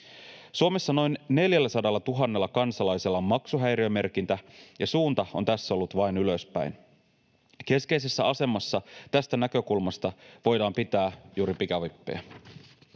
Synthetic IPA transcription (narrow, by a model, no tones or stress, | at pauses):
suome̞sːɑno̞jnːe̞ljælːæsɑdɑlːɑt̪uɦɑnːe̞lːɑkɑnsɑlɑjselːɑomːɑksuɦæjɾiøme̞rk̟int̪æjɑsuːnt̪ɑo̞nt̪æsːæo̞lːut̪ʋɑjnyløspæ̰jn | ke̞ske̞ise̞sːæɑse̞mɑsːɑt̪æst̪ænækø̞kulmɑst̪ɑʋo̞jdɑːmpit̪æːjuːɾipikɑʋipːḛjæ